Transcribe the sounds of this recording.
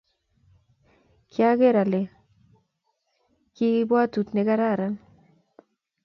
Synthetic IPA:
kja˦ɡe˦ɾa˨le˨ | kɪ˦bwa˦tu˨tne˦ka˦ɾa˦˨ɾa˦n

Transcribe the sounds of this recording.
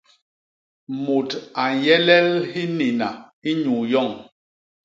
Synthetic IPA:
mo˨ta˨jɛ˦lɛ˦lhi˦ni˨na˨i˦ɲu˨jɔ˦˨ŋ

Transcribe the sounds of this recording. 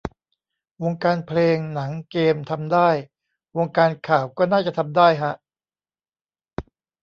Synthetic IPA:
wo˧ŋkaː˧npʰleː˧ŋna˩˦ŋkeː˧mt̪ʰa˧mdaː˥˩j | wo˧ŋkaː˧nkʰaː˨˩wkɔː˥˩naː˥˩t͡ɕa˨˩t̪ʰa˧mdaː˥˩jɦa˦˥ʔ

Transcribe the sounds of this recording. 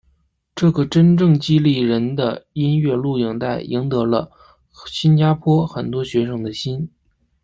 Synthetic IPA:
ʈ͡ʂɤ˥˩ɡə˩ʈ͡ʂə˥nʈ͡ʂɤ˥˩ŋt͡ɕi˥li˥˩ɻə˧˥nd̪ə˧i˥nɥɛ˥˧lu˥˩ji˨˩ŋt̪a˥˩ɪʔi˧˥ŋt̪ɤ˧˥lə̰˧ | ɕi˥nt͡ɕja˥pʰwɔ˥xə˨˩nt̪wɔ˥ɕɥɛ˧˥ʂɤ˥ŋd̪ə˩ɕi˥n

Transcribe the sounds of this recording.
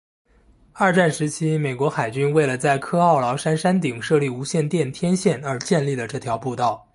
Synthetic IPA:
ɐ˞˥˧ʈ͡ʂa˥˩nʂɻ̩˧˥t͡ɕʰi˥me˨˩ɪkwɔ˧˥xa˨˩ɪt͡ɕy˥nwe˥˩ɪlə˩t͡sa˥˩ɪkʰɤ˥ɑ˥˩ʊlɑ˧˥ʊʂa˥nʂa˥nt̪i˨˩ŋʂɤ˥˧li˥˩u˧˥ɕjɛ˥˧nt̪jɛ˥˩nt̪ʰjɛ˥nɕjɛ˥˩nə˞˧˥t͡ɕjɛ˥˧nli˥˩d̪ə˩ʈ͡ʂɤ˥˩t̪ʰjɑ˧˥ʊpu˥˧t̪ɑ˥˩ʊ

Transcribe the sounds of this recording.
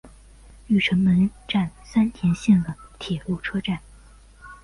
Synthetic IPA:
y˥˩ʈ͡ʂʰə˧˥nmə˧˥nʈ͡ʂa˥˩nsa˥nt̪ʰjɛ˧˥nɕjɛ˥˩nd̪ə˩t̪ʰjɛ˨˩lu˥˩ʈ͡ʂʰɤ˥ʈ͡ʂa˥˩n

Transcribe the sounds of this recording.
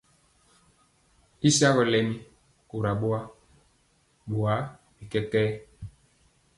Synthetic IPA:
i˦sa˦ɣɔ˨lɛ˨mĩ˦ | ku˨ɾa˨ɓo˦a˦ | ɓo˨a˨˦ | mi˨kɛ˦kɛː˦

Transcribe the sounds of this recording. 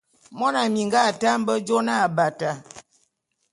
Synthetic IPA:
mɔ˦na˨mi˨ŋɡa˦˨ta˦m̩˦bə˦d͡ʒo˦na˦˨ba˨ta˨

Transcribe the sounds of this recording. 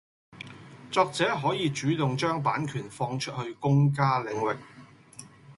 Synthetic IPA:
t͡sɔː˧k̚t͡sɛː˨˥ɦɔː˨˥jiː˨˧t͡ʃyː˨˥t̪ʊ˨ŋt͡ʃœː˥ŋpaː˨˥nkʰyː˨˩nfɔː˧ŋt͡ʃʰɵ˥t̚hɵ˧ɥkʊ˥ŋk̬aː˥lɪ˨˧ŋwɪ˨k̚

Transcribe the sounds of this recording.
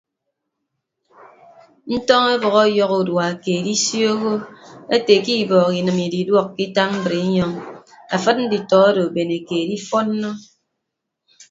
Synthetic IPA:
n̩˦tɔ˦ŋe˦bɔ˨ɣɔ˦jɔ˦ɣu˨dwa˨a˨keː˨di˦sjo˦ɣo˦e˦te˨ki˦˨bɔː˨ki˨nɨ˨mi˨di˨dwɔ˦kːi˦ta˦m̩˦bɾe˨i˦ɲɔ˦ŋ | a˨fɨ˦t̚n̩˦di˨tɔ˨˦a˦do˨be˨ne˨keː˨di˦fɔ˦n̩ː˦ɔ˦

